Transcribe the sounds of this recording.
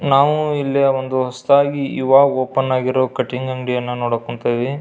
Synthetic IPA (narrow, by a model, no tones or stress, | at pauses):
naːʋuilːiond̪uɦɐst̪aːɡiiʋaːoːpɐnːaːɡiɾokɐʈːiŋɡɐŋɖijɐnːɐnoːɽokɔɳt̪eːʋi